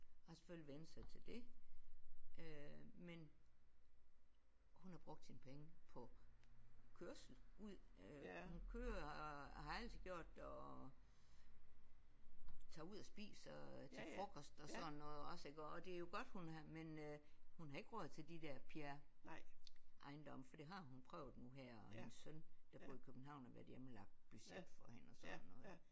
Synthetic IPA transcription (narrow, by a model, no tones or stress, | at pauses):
ɑse̥føliʋend̥sɑ̈ɪt͡sʰe̝ld̥e̝ | ømen | hunhɑ̈b̥ʁɔ̽ɡ̥d̥sinəpʰeŋəpʰɒ̽ | kʰøɐsl̩uð̰ˠøhunkʰøːɐhɑ̈æl̰t͡sʰiɡ̥jo̝ɐ̰d̥ɒ | t͡sʰɑ̰̈ːuð̞̰ˠæsb̥ḭːsɒt͡sʰe̥fɔkʰɒsd̥ɒ̽sɒnnɔːð̩ˠɒ̽seɡ̥ɒɒd̥e̝æjo̝ɡ̥ɒ̽d̥hunɑmenøhunɦɑ̈e̝ɡ̥ʁɔð̞̰ˠt͡sʰe̝ld̥id̥ɛɐpʰiæɐ | ʔɑ̈ɪnd̥ɒ̽m̰fɒd̥e̝ɦɑ̈hunpʰʁœʊð̩ˠnuɦæɐ̰ɒ̽minsønd̥æb̥oikʰøb̥n̩ɦɑ̈ʊ̰næʋæɐdˠjeməlɑ̈ɡ̥̚d̥b̥yɕed̥fɒ̽he̝nɒsɒnnɔ̽ːð̩ˠ